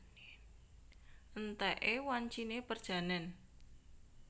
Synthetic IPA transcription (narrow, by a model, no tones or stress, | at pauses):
ʔənt̪ɛʔewaɲt͡ʃinepərd̥ʒ̥ä̤nɛn